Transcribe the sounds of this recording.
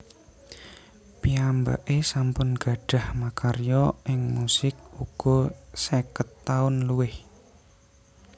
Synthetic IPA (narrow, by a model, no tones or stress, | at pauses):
piamba̰ʔesampʊnɡ̥ä̤ɖ̥a̤hmakarjɔʔɪŋmusɪk̚uɡ̥ɔsekət̪ːaʊnluwɪh